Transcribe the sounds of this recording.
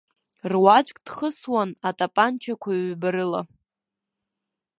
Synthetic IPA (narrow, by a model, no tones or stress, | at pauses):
rwat͡ʃʷʼkʼd̥χəswanatʼapʼant͡ʃʰakʷʰaɥbaɾɨla̰